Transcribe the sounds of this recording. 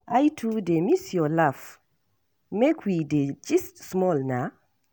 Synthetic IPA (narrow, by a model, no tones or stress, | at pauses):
ajtʰudemisjɔlaf | mɛkʰwided͡ʒistsmɔlna